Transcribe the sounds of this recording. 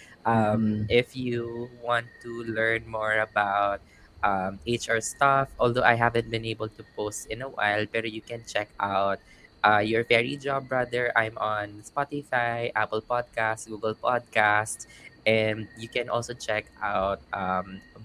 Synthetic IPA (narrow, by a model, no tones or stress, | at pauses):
ʔʌmʔɪfjuwɑ̃nt̪ːulɛɹnmɔɹɐbaʊt̪̚ | ʔʌmet͡ʃaɹst̪afʔolˠd̪oʔajɦævɛ̃nt̪̚bɪ̃nejbəlt̪upost̪ɪ̃nɐwa̰jlpɛɾojukɛ̃nt͡ʃɛkʔawt̪̚ | ʔajɔɹfɛɹid͡ʒabɹad̪ɛɹʔã̰jmʔɔ̃nspat̪ɪfajʔapəlpɔd̪̚kast̪̚ɡuɡɛlpɔd̪̚kast̪ʔɛ̃nd̪̚jukɛ̃nʔɔlsot͡ʃɛkʔawt̪̚ʔʌm